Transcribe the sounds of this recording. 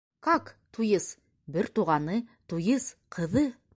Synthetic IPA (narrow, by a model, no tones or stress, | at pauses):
kɑkt̪ujɤs | bɘɾt̪uʁɑnɤt̪ujɤsqʰɤ̆ðɤ